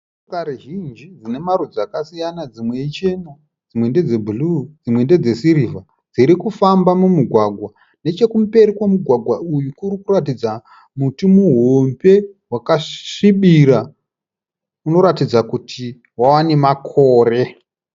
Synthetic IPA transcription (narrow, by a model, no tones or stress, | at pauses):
ukaɾeʒind͡ʒid͡zine̞marud͡zakasijanad͡zimwe̞it͡ʃe̞mo | d͡zimwe̞nde̞d͡zebʱulud͡zimwe̞nde̞d͡ze̞siɾiva | d͡ziɾikufambamumuɡʱwaɡʱwa | ne̞t͡ʃe̞kumpe̞ɾikwamuɡʱwaɡʱwaujukurikuratid͡za | mutimuɦombe̞wakaʂiɓiɾa | uno̞ɾatid͡zakutʰi | wawane̞makʰoːre̞